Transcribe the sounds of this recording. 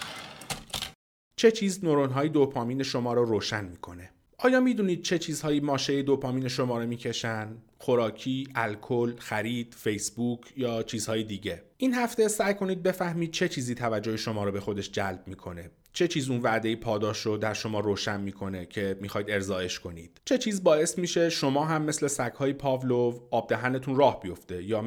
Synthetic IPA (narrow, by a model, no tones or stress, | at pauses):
t͡ʃʰe̞t͡ʃʰiːznoɾonɦɒːjed̪opʰɒːmiːne̞ʃo̞mɒːɾɔɾoːʃænmiːkʰo̞ne̞ | ɒːjɒːmiːd̪uːniːd̪̥̚t͡ʃʰe̞t͡ʃʰiːz̥hɒːjiːmɒːʃe̞jed̪opʰɒːmiːneʃo̞mɒːɾemiːcʰe̞ʃænxo̞ɾɒːcʰiːʔælkʰolxæɾiːd̪̥fe̞jsbuːcʰjɒːt͡ʃʰiːz̥hɒːjed̪iːɟe̞ʔiːnhæft̪e̞sæjkʰo̞niːd̪̚be̞fæhmiːd̪̚t͡ʃʰe̞t͡ʃʰiːziːt̪ʰævæd͡ʒːo̞heʃo̞mɒːɾɔːbe̞xo̞d̪e̞ʃd͡ʒælbmiːkʰo̞ne | t͡ʃʰe̞t͡ʃʰiːzunvæʔd̪e̞jiːpʰɒːd̪ɒːʃɾod̪æɾʃo̞mɒːɾoːʃænmiːkʰo̞ne̞cʰe̞mixɒːjid̪e̞ɾzɒːe̞ʃkʰo̞nḭːd̪̥t͡ʃʰe̞t͡ʃʰiːzbɒːe̞smiːʃe̞ʃo̞mɒːɦæmːe̞sle̞sækhɒːjipʰɒːvlovɒːb̚d̪æɦændet̪ʰuːnrɒːhbijo̞ft̪e̞jɒː